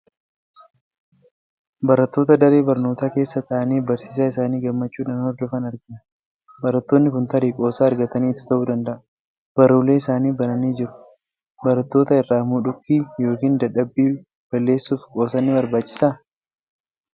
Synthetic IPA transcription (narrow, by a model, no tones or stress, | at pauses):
bɐɾɐt̪ːo̞ːt̪ɐd̪ɐɾeːbɐɾno̞ːt̪aːke̞ːsːɐt̪ɐʔɐniːbɐɾsiːs̬aːɪsaːniːɡɐmːɐt͡ʃːuːᶑaːnhɔɾd̪ɔfɐnɐɾɡɐnɐ | bɐɾɐt̪ːoːnːɪkʊnt̪ɐɾiːkʼo̞ːsaːɾɡɐt̪ɐniːt̪ːʊ̥t̪ɐʔuːd̪ɐnd̪ɐʔɐ̥ | b̥ɐɾuːlːe̞ːɪsaːniːbɐnɐniːd͡ʒɪɾʊ̥ | bɐɾɐt̪ːo̞ːt̪ɐɪrːaːmuᶑʊkːiːjo̞ːkiːnd̪ɐᶑɐbːiː | b̥ɐlːe̞ːsːuːfkʼo̞ːsɐnːɪbɐɾbaːt͡ʃːɪ̥saː